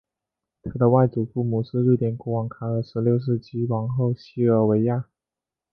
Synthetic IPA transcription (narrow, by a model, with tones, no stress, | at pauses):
t̪ʰɤ˧˥d̪ə˧wa˥˩ɪʈ͡ʂu˨˩fu˥˩mu˨˩ʂɻ̩˥˧ɻu˥˩t̪jɛ˥˩nkɔ˥wɑ˨˩ŋkʰa˥ə˧˥˩ʂɻ̩˧˥ljo˥˧ʊʂ̬ɻ̩˥˩t͡ɕʰi˥wɑ˧˥ŋxo˥˧ʊɕi˥ə˞˧˥we˧˥ɪja˥˩